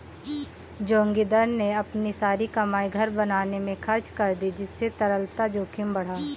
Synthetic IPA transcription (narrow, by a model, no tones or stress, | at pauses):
d͡ʒõːŋɡid̪əɾneɐpnisaːɾikɐmaːiɡʱɐɾbɐnaːnemẽxʰɐɾt͡ʃkɐɾd̪id͡ʒɪsːet̪ɐɾəlt̪ad͡ʒoːkʰɪmbɐɽ̤aː